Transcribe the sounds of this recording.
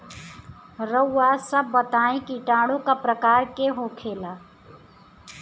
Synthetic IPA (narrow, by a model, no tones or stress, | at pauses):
ɾəwːasəbːət̪aːẽkiʈaːɽõkapɾəkaːɾkeɦokʰeːlaː